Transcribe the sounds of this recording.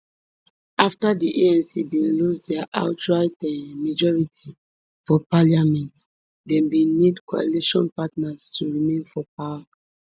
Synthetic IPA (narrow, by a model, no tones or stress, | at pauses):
aftadiʔeɛ̃nsibĩnlusdɛaʔa̰ʊt͡ʃualtɛmad͡ʒɔɹitʰi | fɔpaljamɛ̃nt | dɛ̃mbĩnidkoa̰liʃɔ̃npatnastʰuɹimẽnfɔpaa